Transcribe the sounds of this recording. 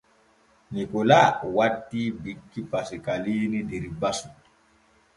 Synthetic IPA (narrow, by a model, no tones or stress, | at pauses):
nikɔlawatːibikːipasikaliːnidɛɾibasu